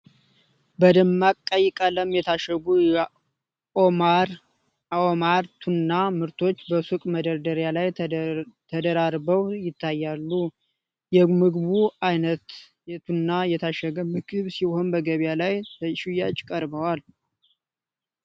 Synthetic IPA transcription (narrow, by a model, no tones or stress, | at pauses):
bəd̪əmːakʼːəjɪkʼələmjɛt̪ʰaʃəɡujɛ | omaɾ | omaɾt̪ʰunːamɨɾt̪ʰo̞t͡ʃːbəsukʼməd̪əɾd̪əɾjalaj | t̪ʰəd̪əɾaɾbəwjɪt̪ʰːajːalːu | jɛmɨɡβuajnət̪ | jɛt̪ʰunːajɛt̪ʰaʃəɡəmɨɡɨβsiho̞nbəɡəβjalajt̪ʰəʃujat͡ʃʼkʼəɾbəwal